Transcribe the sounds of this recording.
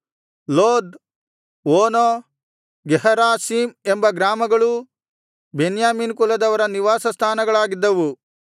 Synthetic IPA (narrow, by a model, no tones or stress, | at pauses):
loːd̪ | oːnoː | ɡɛɦɐɾaːsiːmembɐɡɾaːmɐɡɐɭu | benjaːmiːnkulɐd̪ɐʋɐɾɐniʋaːsɐst̪ʰaːnɐɡɐɭaːɡid̪ːɐʋu